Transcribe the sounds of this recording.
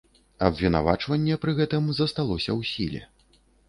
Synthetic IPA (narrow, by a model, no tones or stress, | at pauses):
ɐbvʲina̰va̰t͡ʂvɐnʲːɛpɾɨɣɛt̪ɨmzɐst̪alˠɔsʲɐwsʲilʲɛ̰